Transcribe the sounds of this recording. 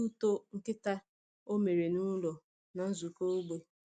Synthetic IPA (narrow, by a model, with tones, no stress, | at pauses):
u˦to˦ŋ̩˦kɪ˦ta˦ | o˦me˨ɾe˨nu˦lɔ˨ | na˨n̩˦zu˨ko˦u˦ɡ͡be˦